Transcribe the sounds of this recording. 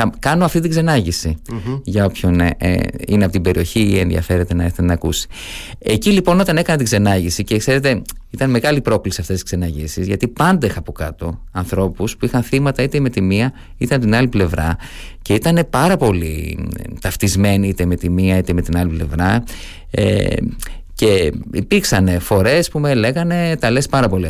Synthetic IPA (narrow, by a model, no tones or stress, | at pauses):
ɐkɐnoɐft̪it̪iɡze̞nɐʝisiʝɐo̞pço̞n̰ | ineɐpot̪ibe̞ɾio̞çiie̞nðiɐ̰fe̞ɾe̞t̪e̞nɐeɾθet̪enɐkusi̥ | e̞cilipo̞no̞t̪ɐne̞kɐnɐt̪iɡze̞nɐʝisicekse̞ɾe̞t̪e̞it̪ɐnme̞ɣɐlipɾo̞klisiɐft̪est̪i̥skze̞nɐʝisizʝɐt̪ipɐnd̪exɐpo̞kɐt̪o̞ɐnθɾo̞puspuixɐnθimɐt̪ɐit̪eme̞t̪imiɐ | it̪ɐmt̪inɐliple̞vɾɐ | ce̞it̪ɐne̞pɐɾɐpo̞lit̪ɐft̪izme̞niit̪eme̞t̪imiɐit̪eme̞t̪inɐliple̞̰vɾɐ | ḛ | ce̞ipiɾksɐne̞fo̞ɾe̞spumele̞ɣɐne̞t̪ɐle̞spɐɾɐpo̞li